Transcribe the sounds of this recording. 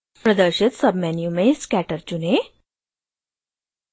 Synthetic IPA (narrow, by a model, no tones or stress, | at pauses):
pɾəd̪əɾɕit̪səbmɛnjumeskæʈəɾd͡ʑune